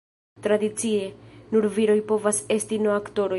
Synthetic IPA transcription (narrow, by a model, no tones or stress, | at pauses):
t̪ɾadit͡sie̞nuɾviɾo̞jpo̞vase̞stinoakto̞ɾo̞